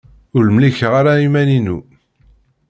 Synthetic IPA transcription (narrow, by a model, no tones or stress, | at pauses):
ʊlmliçəʁaɾaimæninu